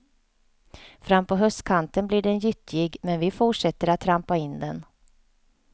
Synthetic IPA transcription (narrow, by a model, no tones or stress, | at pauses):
fɾamːpɔɦœst̪kʰant̪ənblɪɖɛnjʏt̪ʰːɪɡmɛnvɪfʊʂɛt̪ːəɾat̪ʰːɾampaɪnd̪ɛn